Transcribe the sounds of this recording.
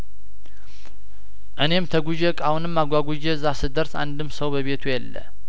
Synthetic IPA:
ʔɨne̞mt̪ʰəɡʷud͡ʒɛkʼahunɨmːaɡʷaɡʷud͡ʒɛzasɨd̪əɾsa̰nd̪ɨmːsəwbəβe̞t̪ʰujɛlːə̰

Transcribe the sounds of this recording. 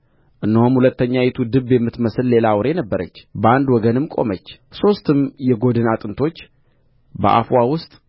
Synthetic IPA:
ʔɨnːəhomhulət̪ːəɲːajɛt̪ʰud̪ɨbːjɛmːɨt̪məsɨlle̞lawɾe̞nəbːəɾə̰t͡ʃːbəand̪wɔɡənɨmkʼo̞̰mət͡ʃː | so̞st̪ʰɨmjɛɡo̞d̪ɨnat̪ʼɨnt̪ʰo̞t͡ʃː | bə̰ʔa̰fwawʊst̪ʼ

